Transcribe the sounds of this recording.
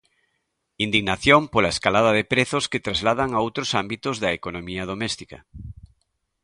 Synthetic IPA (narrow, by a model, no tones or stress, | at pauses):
ind̪iɣnaθjompolaeskalaðɐðepɾeθosket̪ɾazlaðaŋaowt̪ɾosambit̪ozðɐekonomiɐð̞omɛst̪ikɐ